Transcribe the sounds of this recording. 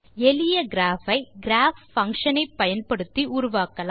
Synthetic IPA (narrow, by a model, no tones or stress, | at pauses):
ɛlɪjɐɡɪɾaːfɐɪɡɪɾaːffɐŋkʂɐnɐɪpːɐjɐnpɐɽɯt̪ːiʔuːɾʊʋaːkːɐla